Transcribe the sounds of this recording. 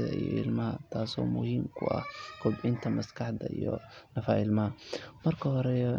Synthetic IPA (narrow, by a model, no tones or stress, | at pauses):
ðɐ̰ḭjɔɪlmɐɦɐt̪ʰaːsɔːmʊhiːmkʰʊɐ̰hkʰʊbɪnt̪ʰɐmɐskʰɑħd̪ɐijɔ̰nɐfaːɪlmɐɦɐmɐrkʰɐɦɔɾɛ